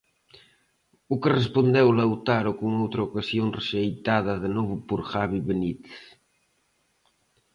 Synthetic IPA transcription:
ukerespond̪ewlawt̪aɾokuŋowt̪ɾaukasjonreʃejt̪aðɐðenɔβupoɾxaβiβenit̪

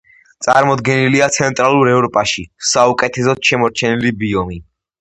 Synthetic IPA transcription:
t̪sʼa̰ɾmɔd̪ɡɛniliat̪sʰɛnt̪ʼɾalˠuɾɛvɾɔpʼaʃisaukʼɛt̪ʰɛs̬ɔd̪ʃɛmɔɾt͡ʃʰɛnilibiɔmi

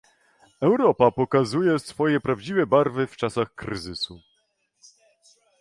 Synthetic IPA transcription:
ɛwɾɔpapɔkazujɛsfɔjɛpɾavd͡ʑivɛbaɾvɘft͡ʂasaxkɾɘ̰zɘsu

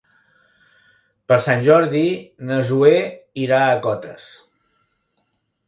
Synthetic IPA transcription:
pəɾsanʲʒɔɾðinəzueiɾaəkɔt̪əs

